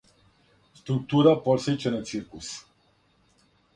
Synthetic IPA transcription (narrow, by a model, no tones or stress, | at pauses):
st̪ɾuk̚t̪uɾapɔɾsət͡ʃənəsirkus